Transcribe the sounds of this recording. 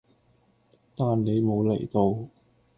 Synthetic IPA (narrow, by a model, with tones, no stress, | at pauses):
t̪aː˨nne˨˧jmo˨˧wle˨˩jt̪o˧w